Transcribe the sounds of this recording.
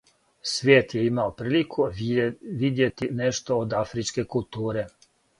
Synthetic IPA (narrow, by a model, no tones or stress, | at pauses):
sʋjeːt̪jɛimaopɾiːlikʰo | ʋid̪jet̪inɛʃt̪oːd̪afɾit͡ʃkekult̪uːɾe